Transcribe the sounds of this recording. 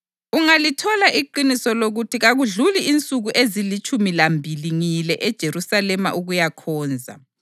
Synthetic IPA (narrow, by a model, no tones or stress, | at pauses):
uŋalitʰɔlaʔiǃinisɔloɣutʰiɣaɣuɮuliint͡sʼuɣuʔezilit͡ʃʼumilambʱiliŋilɛʔɛd̥ʒ̥ʱeɾusalɛma̰ʔuɣujakʰɔːnd͡zʱa̰